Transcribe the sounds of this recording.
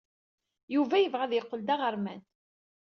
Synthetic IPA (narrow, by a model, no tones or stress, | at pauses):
juvæjəvʁæðjəqːəld̪aʁəɾˤmæn